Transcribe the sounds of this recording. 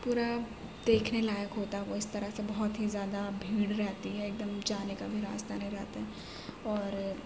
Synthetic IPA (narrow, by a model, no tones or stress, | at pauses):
puːɾa | d̪eːkʰnelaːjəkɦoːt̪aɦɛʋoɪst̪ɐɾəɦsebɐɦʊt̪ɦizjaːd̪abʱiːɽɾɛɦt̪iɦɛeːk̚d̪əmd͡ʒaːnekabʱiɾa̰ːst̪aneĩɾɛɦt̪aɦɛ | ɔːɾ